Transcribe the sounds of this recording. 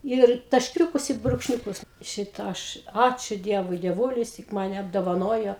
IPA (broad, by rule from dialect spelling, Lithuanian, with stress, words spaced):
ɪr tɐʃʲˈkʲuːkʊs ɪ bruːkʃʲˈnʲuːkʊs ˈʃʲɪtɐ ˈɐʃ ˈɑːt͡ʃʲʊ ˈdʲiɛʋʊɪ dʲiɛˈʋuːlʲɪs tʲɪk mɐˈnʲɛ ɐbdoːʋɐˈnoːjoː